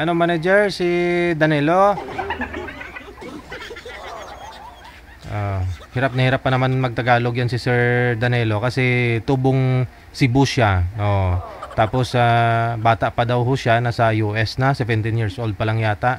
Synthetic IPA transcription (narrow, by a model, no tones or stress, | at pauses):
ʔɐnomanɐd͡ʒɛɹsid̪ɐnɛːlo̞ | ʔoʔhɪɾap̚nɐhɪɾapːɐnɐmanmɐɡ̚t̪ɐɡaːlo̞ɡjansɪsɛɹd̪ɐnɛːlo̞kɐsɛt̪uːboŋ | sɪbʊʃaʔoʔt̪aːposabaːt̪aʔpɐd̪ɐwɦoʃanɐsɐjuʔɛsnɐsɛvɛnt̪ɪnjiɹsʔold̪̚pɐlaŋjaːt̪aʔ